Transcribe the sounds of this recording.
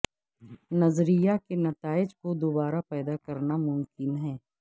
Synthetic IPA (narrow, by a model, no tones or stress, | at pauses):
nɐzɾijakenɐt̪aːɪd͡ʒkod̪oːbaːɾapɛːd̪akɐɾnamʊmkɪnɦɛː